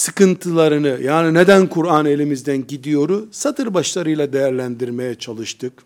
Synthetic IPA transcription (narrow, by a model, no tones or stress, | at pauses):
sɯkɯnt̪ʰɯlˠaɾɯnɯjaːnine̞d̪ænkʰuɾanelʲimizd̪ænɟid̪ijo̞ɾʊsat̪ʰɯɾbaʃlˠaɾɯjlˠad̪e̞jæɾlʲænd̪iɾme̞jɛt͡ʃʰalˠɯʃt̪ʰɯk